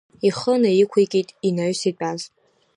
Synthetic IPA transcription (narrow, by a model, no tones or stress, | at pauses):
iχənajikʷʰejkʲʼitʼinaɥsit͡pʼaz